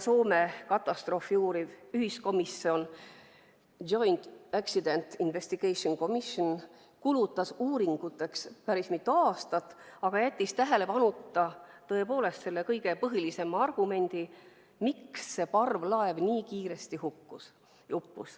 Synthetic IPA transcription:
so̞ːme̞kɑt̪ːˑɑst̪ro̞ːfijuːɾivyhisko̞misio̞n | o̞jnt̪eksid̪e̞nt̪inve̞sʲt̪iɡ̥ejsonko̞mison | kulut̪ːˑɑsuːɾiŋɡ̥ut̪ːˑe̞kspæɾismit̪ːuɑːst̪ɑt̪ːˑɑɡ̥ɑjæt̪ʲːist̪æɦe̞le̞pɑnut̪ˑːɑt̪ɤ̞e̞po̞ːle̞st̪se̞lːe̞kɤjɡ̥e̞pɤɦilise̞mɑɑrɡ̥ume̞nʲd̪̥i | miksːe̞pɑrvlɑevniːkiːɾe̞st̪ihukːus | jupːṵs

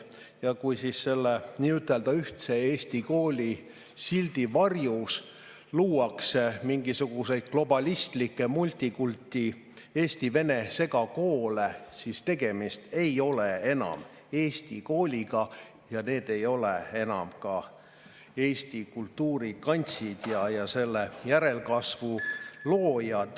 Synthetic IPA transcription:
jɑkujsisːe̞lːeniːyt̪ːˑe̞ld̪̥ɑyht̪se̞eːsʲt̪iko̞ːlʲi | sild̪̥ivɑrjus | luːɑksemiŋɡisuɡ̥use̞jd̪̥̚klo̞bɑlʲist̪likːˑe̞mulʲt̪ʲːikult̪ʲːi | e̞ːst̪ive̞ne̞se̞ɡɑko̞ːlesist̪e̞ɡ̥e̞mist̪e̞jo̞lee̞nɑ̰m | e̞ːsʲt̪iko̞ːlʲiɡ̥ɑ | jɑne̞ːd̪̥e̞jo̞lee̞nɑ̰mkɑ | eːsʲt̪ikult̪ːuːɾikɑnʲt̪sid̪̥jɑjɑse̞lːejæɾe̞lkɑsvulo̞ːjɑd̪̥

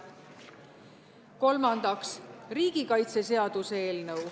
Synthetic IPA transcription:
ko̞lmɑnd̪̥ɑksriːɡ̥ikɑjt̪se̞se̞ɑd̪̥use̞ːlnɤw

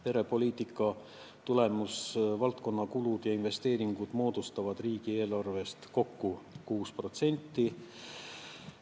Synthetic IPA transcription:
pe̞ɾe̞po̞lʲiːt̪ːˑikːˑɑ | t̪ule̞musvɑlt̪ko̞nːɑkulud̪̥jɑinve̞st̪e̞ːɾiŋɡ̥ud̪̥mo̞ːd̪̥ust̪ɑvɑd̪̥riːɡ̥ie̞ːlɑrve̞st̪ko̞kːukuːspro̞t̪se̞nʲt̪ːˑi

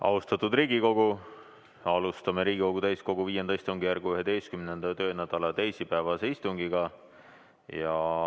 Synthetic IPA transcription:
ʔɑ̰ust̪ɑt̪ːˑud̪riːɡiko̞ɡ̥u | ɑlust̪ɑmeɾiːɡ̥iko̞ɡ̥ut̪æjsko̞ɡ̥uviːje̞nd̪ɑist̪uŋɡijærɡyɦe̞t̪e̞jst̪kymne̞nd̪̥ɑt̪ø̞ːnæd̪̥ɑlɑt̪ejsipæevɑse̞ist̪uŋɡiɡ̥ɑ | jɑ

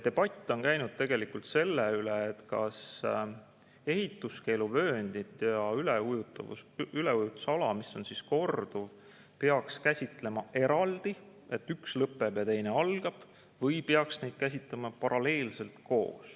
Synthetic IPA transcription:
t̪e̞b̥ɑt̪ʲˑːo̞nkæjnud̪̥̚t̪e̞ɡ̥e̞likult̪se̞lːeyleet̪kɑ̰s | e̞ɦit̪ːˑuske̞jluvø̞ːnd̪̥it̪ˑjɑyleujut̪ːɑvṵyleujut̪sɑlɑmiso̞nsisko̞rd̪̥uv | peɑkskæsʲit̪ˑle̞mɑʔe̞ɾɑld̪̥i | e̞t̪ːˑykslɤpːˑe̞b̥jɑt̪e̞jne̞ɑlɡ̥ɑb̥ | vɤjpeɑksne̞jd̪̥̚kæs̬ʲit̪ˑlemɑpɑɾɑle̞ːlse̞lt̪ko̞̰ːs

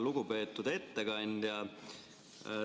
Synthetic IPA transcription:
lukupeːt̪ːut̪et̪ːækɑind̪̥jɑ

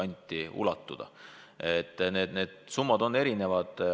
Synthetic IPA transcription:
ɑnʲt̪ʲːˑiṵlɑt̪ːˑud̪̥ɑ̰ | et̪ːˑne̞ːd̪ne̞ːd̪̥sumːɑd̪̥o̞nːe̞ɾine̞vɑd̪̥

